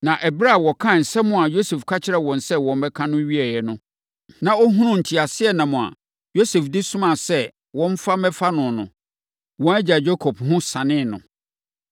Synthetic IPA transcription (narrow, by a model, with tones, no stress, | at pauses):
nã˨ʔɛ˨bɾa˦˨wɔ˨kʰã˦˨n̩˨sɛ˦mʊ̃˦˨a˨jo˦sɛ˨fkʰa˦t͡ɕʰɪ˦ɾɛ˦˨wɔ̃˨n̩˨sɛ˦wɔ̃˨m˦bɛ˦kʰã˦nʊ̃˦ɥi˦ɛ˨jɛ˨nʊ̃˦ | nã˨ɔ˦ɦũ˦nʊ̃˦n̩˨tʰi˨a˨sɪ˦ɛ˦nã˨mʊ̃˨a̰˨ | jo˦sɛ˨fdi˦sʊ̃˦mã˨sɛ˦ | wɔ̃˦m˦fa˦mɛ˦fa˦nʊ̃˨nʊ̰̃˨ | wɔ̃˦æ˦d͡ʑa˨d͡ʑo˦kʰɔ˨phʊ̃˦sã˨nɪ̃˦˨nʊ̰̃˨